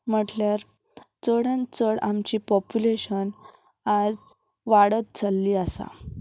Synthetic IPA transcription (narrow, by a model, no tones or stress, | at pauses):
m̤əʈljaɾ | t͡səɽãnt͡səɽamt͡ɕiːpɔpuleɕən | ad͡z | ʋaɽət̪̚t͡salːiːasa̰